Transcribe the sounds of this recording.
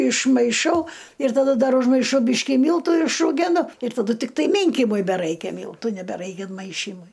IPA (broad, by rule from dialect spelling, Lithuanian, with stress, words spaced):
ɪʃmɐɪˈʃɐʊ ɪr tɐˈdɐ ˈdɐr ʊʒmɐɪˈʃɐʊ ˈbʲiːʃʲkʲɪ ˈmʲiːlˠtʊ ɪʃruːˈɡʲæːnʊ ɪr tɐˈdʊ tʲɪkˈtɐɪ ˈmʲiːŋʲkʲɪmʊɪ bʲɛˈrɐɪkʲɛ ˈmʲiːlˠtuː nʲɛbʲɛˈrɐɪkʲɛ ɪnˈmɐɪʃʲiːmʊɪ